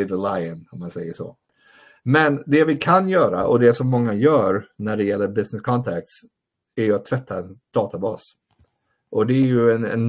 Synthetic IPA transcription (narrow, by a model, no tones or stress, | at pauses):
ɪd̪əlaɪənɔmːansɛjːəʂɔ̰ː | mɛnd̪ɛvɪkʰanjœːɾa̰ʔɔd̪ɛsɔmːɔŋːajœːɾnæɖɛjɛlːəɾbɪsnɪskʰɔnt̪ʰɛk̚t̪s | æɾjɵat̪ʰːvɛt̪ʰːaɛnd̪̥ɑːt̪abɑːs | ʔɔd̪ɛːɾjɵɛnɛ̰n